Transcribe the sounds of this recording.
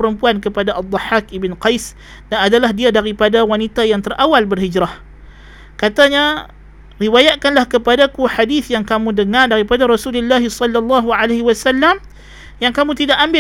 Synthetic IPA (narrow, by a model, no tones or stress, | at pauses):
əɾəmpuankəpadaʔad̪ˤɑħakibənqajs | danadalahdiadaɾipadawanit̪ajaŋt̪ərʔawalbərhid͡ʒɾah | kat̪aɲa | riwajaʔ̪̚kanlahkəpadakuħadiθjaŋkamũdəŋardaɾipadaɾɔsululːaɦisɔlːalːɑɦuʕaleɦiwasalːam | jaŋkamũt̪idaʔambɪ